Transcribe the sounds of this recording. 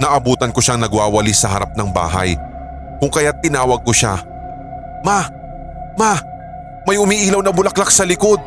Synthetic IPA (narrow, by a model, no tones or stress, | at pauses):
nɐʔɐbuːt̪ɐnkoʃaŋnɐɡwaːwɐlisɐɦɐɾap̚nɐŋba̰ːɦɐ̰j | kʊŋkɐjat̪ːɪnaːwɐɡ̚koʃa̰ | ma | ma | mɐjʔʊmiʔiːlɐwnɐbʊlɐklak̚sɐlɪko̞d̪̚